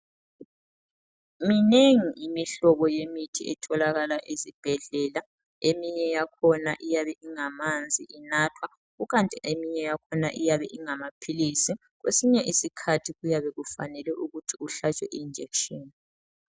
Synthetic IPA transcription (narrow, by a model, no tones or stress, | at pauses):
mineŋiʔimiɬɔβɔjemitʰḭɛtʰɔlaɣalaʔezib̥ʱɛɮɛla | emiɲɛjakʰɔnaʔijaβɛʔiŋamand͡zʱiʔinatʰwa | ɣuɣantʼiʔemiɲɛjakʰɔna̰ʔijaβɛ̰ʔiŋamapʰilisi | ɣwesiɲɛʔisikʰatʰiɣujaβɛɣufa̰nɛlɛʔuɣutʰiuɬat͡ʃʼwɛʔiːnd͡ʒʱekʃɔːni